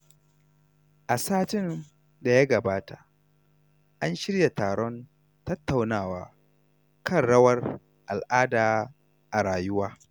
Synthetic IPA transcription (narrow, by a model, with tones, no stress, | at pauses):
ʔa˨saː˦tɪ˦n | da˨ja˦ɡɐ˨baː˦ta˨ʔ | ʔa˦nʃɪ˦ɾja˨taː˨ɽɔ˦n | tɐ˦tːa˨wnaː˦˨waː˨ | kɐ˦˨nɽɐ˦wɐ˦r | ʔa˨lʔaː˦daː˨ | ʔa˨ɽaː˨jʊ˦waː˦